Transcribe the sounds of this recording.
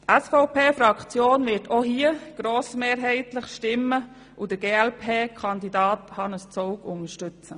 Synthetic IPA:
tʔɛsfɔʊpʰeːfɾɑkt͡sjoːnvɪɾtʰoɦiːəɡ̥ɾoːsmeːɾɦɛɪtləχʃtɪmːə | ʔud̥əɡeːɛlpʰeːkʰɑndidɑːthɑnəst͡soʊkʊnəʃtʏt͡sə

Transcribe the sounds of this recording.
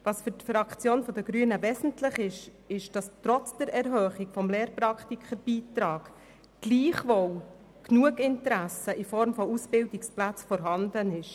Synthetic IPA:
ʋɑsfʏɾtfɾɑkχt͡sjoːnfɔd̥̪əɡɾyənəʋɛsn̩tlɪχɪʃ | ɪʃd̥ɑstɾɔt͡sd̥ɛɾɛɾɦœːχiɡfɔmleːɾprɑkχtikʰχəɾb̥iːtɾɑːɡ̥ | ɡ̥liːχʋow | knuəɡɪntəɾæsəʔifɔɾmfɔusb̥ɪldiksplæt͡sfɔɾɦɑndənɪʃ

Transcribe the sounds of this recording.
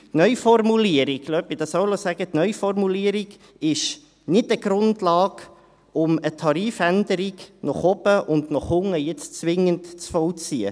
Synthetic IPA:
tnœʏjfɔrmuliəɾiɡ̥lœpid̥ɑsɔwlosæɡ̥ətnœʏfɔrmuliəɾiɡ | ɪʃ | nɪtəɡɾʊndlɑːɡ | ʊmətʰɑɾiːfænd̪əɾiɡnɔχɔbəʔʊndnɔχhʊŋːəjɪt͡st͡sʋɪŋəntt͡sfɔwt͡siə

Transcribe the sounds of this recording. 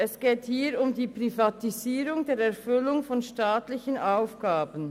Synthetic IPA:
ɛsɡ̥eːthiːɾʊmdiːpʁ̥ifatiziːɾʊŋdeːɾɛɐfʏlʊŋfɔnʃtaːtlɪçənʔaʊfɡ̥aːbən̩

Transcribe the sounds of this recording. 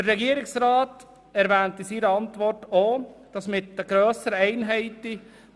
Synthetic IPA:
dəɾɛɡiːəɾɪksɾɑːt | ɛɾvɛːntəsiːɾəɑntvɔrtoːd̥ɑsmɪtəɡɾøːsəɾəɛɪnɦɛɪti

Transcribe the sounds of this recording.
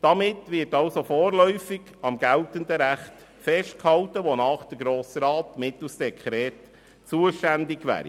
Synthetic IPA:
d̥ɑmɪtʋɪːtɑlsofoːɾlœʏfɪɡ | ɑmɡ̥æltənd̪əɾæχt | fɛʃt̚khɑltəʋonɑːχd̥əɡɾoːsəɾɑːtmɪt̪l̩sdɛkʰχɾɛːt | t͡suəʃtændɪɡʋæ̰ːɾḭ

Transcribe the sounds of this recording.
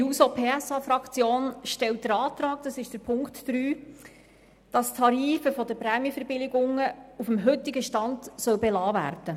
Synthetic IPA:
iuːsoːpʰeːæsɑfɾɑkt͡sjoːnʃtɛlt̚d̥əɾɑːt̪rɑːk̚d̥ɑsɪʃd̥əɾpʰʊŋktːɾyː | d̥ɑst̪ʰɑɾiːfəfɔdəpɾɛːmjəfəɾbɪlɪɡʊŋəufəmɦɵtɪɡəʃtɑndsœwbɛlɑːvæ̰ːɾdə

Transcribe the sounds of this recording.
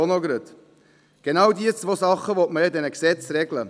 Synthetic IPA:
onoɡɾøt | ɡ̥enɑwdiət͡svoːsɑχəʋotməɛdɛnəksɛt͡sɾɛɡlə

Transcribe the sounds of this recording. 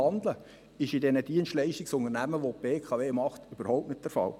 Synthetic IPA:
ɑndlə | ɪʃɪdɛnəd̥iənstlɛɪʃtɪksʊŋənæməʋob̥eːkʰɑʋeːmɑχtyb̥əɾhoʊp̚tnɪt̚d̥ɛɾfɑ̰l

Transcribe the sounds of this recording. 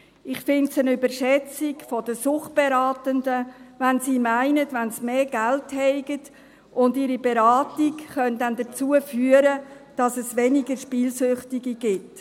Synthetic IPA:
ɪχfɪntsənybəɾʃɛt͡sɪkfɔdəsʊχt̚b̥ɛɾɑːtəndəʋænsiːmæɪnətʋɛnsmeːɡælthɛɪɡət | ʔʊndiːɾibeɾɑːtikχœndɛndət͡suəfyəɾəd̥ɑsɛsʋɛniɡəɾʃpiːlsʏχtiɡiɡ̥ɪt

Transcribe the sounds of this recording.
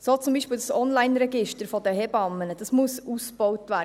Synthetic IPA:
soːt͡sumbiːʃpɪːldsɔnlaɪnɾɛɡɪʃtəɾfɔdəhɛbɑmːənəd̥ɑsmʊsusb̥ɔwtʋæː

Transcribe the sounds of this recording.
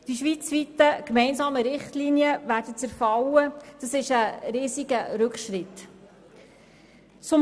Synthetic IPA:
d̥iʃʋit͡sʋitəkmɛɪnsɑːməɾɪχtliːniəʋæːɾdət͡sɛɾfɑwəd̥ɑsɪʃəɾiːziɡəɾɵkχʃɾɪt̪ | t͡sʊm

